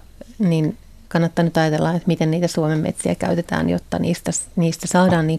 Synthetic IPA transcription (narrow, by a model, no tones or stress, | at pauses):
nin | kɑnːɑt̪ːɑnyt̪ɑjɑt̪elːɑet̪mit̪enniːt̪æsuomemmḛt̪siæ̰kæ̰yt̪et̪æ̰ːnjo̰t̪ːɑ̰nḭːst̪æsniːst̪æsɑːdɑːnniːŋ